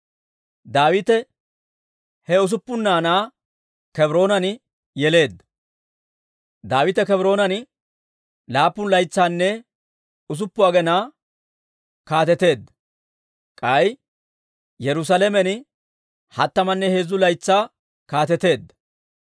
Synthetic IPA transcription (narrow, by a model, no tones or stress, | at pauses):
d̪aːwɪt̪ɛ | hɛʊs̬ʊpːʊnːaːnaː | kɛbɾo̞ːnɐnɪ | jɛle̞ːd̪ɐ | d̪aːwɪt̪ɛkɛbɾo̞ːnɐnɪ | laːpːʊnlɐjt͡sːaːnːɛ | ʊs̬ʊpːʊaːɡɛnaː | kaːt̪ɛt̪e̞ːd̪ːɐ | kʼɐj | jɛɾʊs̬alɛmɛnɪ | hɐt̪ːɐmɐnːɛhe̞ːzːʊlɐjt͡sːaː | kaːt̪ɛt̪e̞ːd̪ːɐ